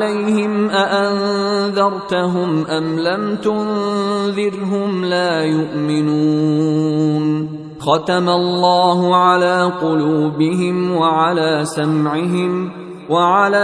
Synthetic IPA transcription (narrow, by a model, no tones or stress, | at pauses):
lajhɪmʔaʔanðɑɾˤt̪aɦʊmʔamlamt̪ʊnðɪɾɦʊmlaːjʊʔmɪnuː | n | xɑt̪amalːɑːɦʊʕalaːqʊluːbɪɦɪmwaʕalaːsamʕɪɦɪm | waʕalaː